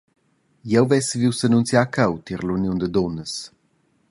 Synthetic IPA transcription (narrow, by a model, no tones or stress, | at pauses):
jɛwvɛsviwsənunsjakʰawt̪iɾlunjund̪əd̪ɔnəs